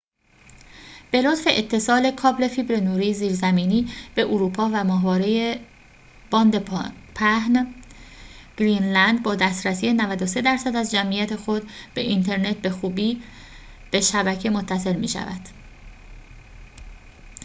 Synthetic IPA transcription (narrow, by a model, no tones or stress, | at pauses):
b̥e̞lo̞t̪fe̞ʔet̪ʰːe̞sɒːle̞kʰɒːble̞fibɾenuːɾiːziːɾzæmiːniːb̥e̞ʔoɾuːpʰɒːvæmɒːɦvɒːɾe̞je | b̥ɒːnd̪epʰæhn | ɡ̥ɾinlænd̪̚bɒːd̪æːst̪ɾæsiːjenævæd̪ose̞d̪æɾsæd̪æzd͡ʒæmʔijæt̪ʰe̞xo̞d̪b̥e̞ʔint̪ʰe̞ɾne̞t̪̚be̞xuːbiː | b̥e̞ʃæbæcʰe̞mo̞t̪ʰːæse̞lmḭːʃæ̰væ̰d̪̥